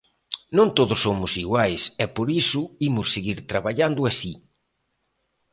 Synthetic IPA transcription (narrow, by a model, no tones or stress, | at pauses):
nõnt̪oðʊsːomʊsiɣwajsɛpoɾisʊimʊsːeɣiɾt̪ɾaβaʎand̪ʊasi